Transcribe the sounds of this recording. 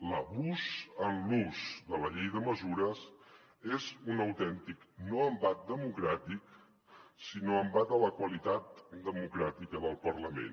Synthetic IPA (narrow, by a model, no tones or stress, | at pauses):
ləβuzənluzd̪ələʎejðəməzuɾəs | ezunəwt̪ɛnt̪iknoəmbat̪̚d̪əmukɾat̪ik | sinoəmbat̪̚ələkwəlit̪at̪̚d̪əmukɾat̪ikəðəlˠpəɾləmḛn